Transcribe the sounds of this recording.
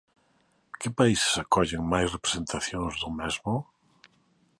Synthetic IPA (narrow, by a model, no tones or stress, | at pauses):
kɪpaise̥sakɔʎeŋmajsrepɾe̥sent̪aθjoŋzðʊmɛzmʊ